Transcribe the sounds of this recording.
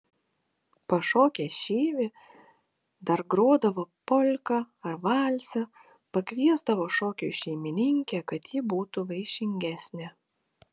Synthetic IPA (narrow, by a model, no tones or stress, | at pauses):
pɐʃoːkʲɛʃʲeːʋʲe | d̪ɐɾɡɾoːd̪ɐʋoːpɔlʲkɐ | ɐɾʋɑːlʲsʲɛ | pɐkʲʋʲiɛzd̪ɐʋoːʃoːkʲṵːʃʲɛɪmʲɪnʲɪŋʲkʲɛkɐt̪jɪbuːt̪ʊʋɐɪʃʲɪŋʲɡʲæsʲnʲɛ